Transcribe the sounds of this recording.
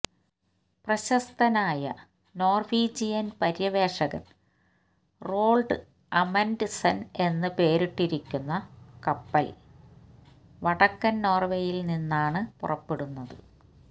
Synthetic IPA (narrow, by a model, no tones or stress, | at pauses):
prɐɕɐst̪ʰɐnaːjɐ̰ | no̞ːrʋiːd͡ʑijɐnpɐɾjɐʋe̞ːʂɐɣɐn | ro̞ːɭɖɨ | ɐmɐndɨsɐne̞nːɨpe̞ːɾiʈːiɾikʲːunːɐkɐpːɐl | ʋɐɽɐkːɐnno̞ːrʋeːjilninːaːɳɨpurɐpːeɽunːɐðɨ